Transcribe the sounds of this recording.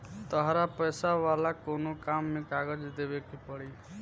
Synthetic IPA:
t̪əɦɾapəjsaʋalakonokamːekaɡəd͡ʒd̪ebekipəɽi

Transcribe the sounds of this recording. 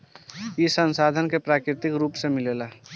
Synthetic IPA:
jisənsaːd̪ʱənkepɾaːkɾɪt̪ɪkɾuːpsemɪleːla

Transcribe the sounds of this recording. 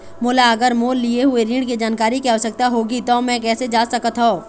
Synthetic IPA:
mʊːlaɐɡəɾmoːlːieɦʊeɾiːɽ̃kid͡ʒaːnkaːɾikiaʋsək̚t̪aɦoːɡit̪omɛ̃ːkɛːsed͡ʒaːsɐkət̪ɦoː

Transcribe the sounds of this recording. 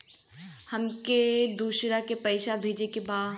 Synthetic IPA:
hɐmked̪uːʃɾakepɐɪʃabʱeːd͡ʒekebaː

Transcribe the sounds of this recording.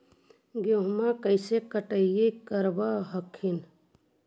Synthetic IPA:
ɡoɦmakəɪsekəʈəijekəɾbaɦəkʰːin

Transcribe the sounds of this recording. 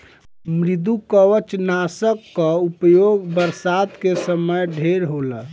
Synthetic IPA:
mɾid̪ukəwət͡ʃnasəkːəupjoɡbəɾsad̪kesəməjɖʱeɾɦolə

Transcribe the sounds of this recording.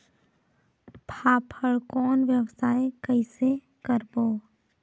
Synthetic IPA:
pʰaːpʰəɭkɔːnʋjəwsaːekəɪse | kəɾboː

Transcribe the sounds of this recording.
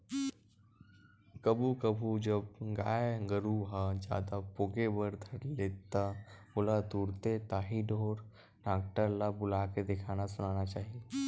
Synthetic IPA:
kɐbʱukəbʱud͡ʒəbɡaːjɡəɾuɦad͡ʒja̰ːd̪apoːɡebəɾd̪ʱɐɾleːt̪ːabʊlat̪uːɾt̪et̪aːɦiɖʱoːɾ | ɖaːk̚ʈəɾlabʊlaːked̪ɪkʰaːnasʊnaːnat͡ʃaːɦie

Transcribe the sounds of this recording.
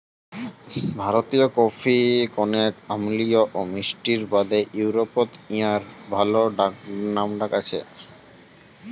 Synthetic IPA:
bʱaɾot̪iokopʰikɔnetamlioʔomisʈiɾbad̪eʔuwɾopot̪iaɾbʱaloɖaknamɖakat͡ɕʰḛ

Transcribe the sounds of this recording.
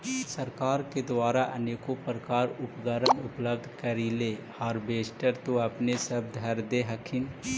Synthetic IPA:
səɾkaːɾked̪waːɾaʔə̰neːkopɾəkaːɾʊpɡəɾənʊpləb̚d̪ʱkəɾilehaɾbeːsʈəɾt̪oɐpnesəb̚d̪ʱɐɾd̪eɦəkʰɪn

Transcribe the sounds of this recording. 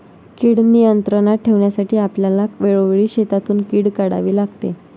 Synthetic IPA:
kiːɽnijənt̪ɾənaʈʰːeʋɳjasaʈiːapljalakʋeɭoʋeɭiːɕet̪at̪uːnkiːɽkaɽa̰ʋiːlaɡt̪ḛ

